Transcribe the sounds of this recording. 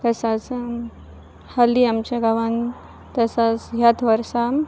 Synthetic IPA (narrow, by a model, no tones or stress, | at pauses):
k̪əsat͡s | haliamt͡ɕaɡaʋan | t̪əsat͡sɦjat̪ʰʋəɾsam